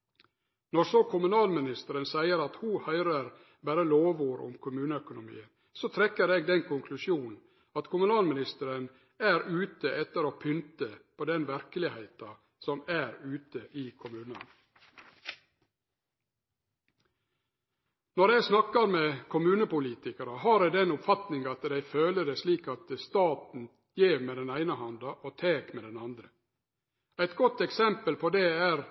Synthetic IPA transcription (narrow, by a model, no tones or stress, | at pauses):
nɔsokʰʊmʉnɑːlmɪnɪst̪əɾənsæɪəɾɑt̪huːhœʏɾəɾ | bæɾəloːʋuːɾʊ̰mkʰʊmʉːnəœkʊnʊmḭːən | soːt̪ʰɾɛkːəɾeːɡd̪ɛnkʰʊŋkʰlʉʃjuːnn̩ | ɑt̪kʰʊmʉnɑːlmɪnɪst̪əɾən | æːɾʉːt̪əʔɛt̪əɾoːpʰʏnt̪əpʰoːd̪ɛnʋæɾkəlɪheɪt̪ɑ | sɔmæːɾʉːt̪əʔiːkʰʊmʉːnə̰n | nɔɾæɪsnɑkɑɾmeːkʰʊmʉːnəpʊliːt̪ɪkəɾəhɑːɾed̪ɛnʊpfɑt̪nɪŋɑt̪d̪æɪføːləd̪esliːkɑt̪əst̪ɑːt̪n̩ | jeːʋmeːd̪ɛnæɪnəhɑnd̪ɑʔoːt̪ʰeːkmeːd̪ɛnɑnd̪ɾə | æɪt̪ɡɔt̪ɛksɛmpəlpʰoːd̪eːæːɾ